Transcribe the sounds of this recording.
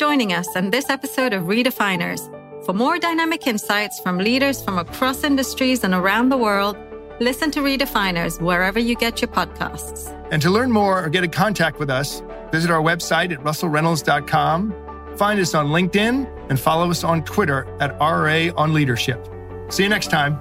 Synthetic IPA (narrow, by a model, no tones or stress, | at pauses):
d͡ʒ̥ɔ̃ɪ̃nɪ̃ŋʌsɨ̃nðɪsɛpɨsoʊɾʌvɹiɾɨfãɪ̃nə̰˞z̥ | fə˞mɔɹdaɪnæmɨkʰɪ̃nsaɪtsfɹʌ̃mliɾə˞z̥fɹʌ̃məkʰɹ̥ɔsɪ̃ndɨstɹ̥izə̃nə˞ãʊ̃nðəwɜ˞lˠd̚ | lɪsɨ̃ntʰɨɹiɾɨfãɪ̃nə̰˞zwə˞ɛvə˞jɨɡɛt͡ʃə˞pʰɑd̚kʰa̰sts | ɨ̃ntʰəlɜ̃˞nmɔɹə˞ɡɛɾɨkʰɑ̃ntʰæk̚t̚wɨðʌs | vɪzɨɾaʊə˞wɛb̥saɪɾɨt̚ɹʌsl̩ˠɹɛ̃nl̩ˠzdɑt̚kʰɑ̃m | fãɪ̃ndʌsn̩lɪ̃ŋk̚tɪ̃n | ɨ̃nfɑlˠoʊʌsn̩tʰw̥ɪɾə˞ɨɾɑɹeɪə̃nliɾə˞ʃɪp̚ | siɨnɛkstʰãɪ̃m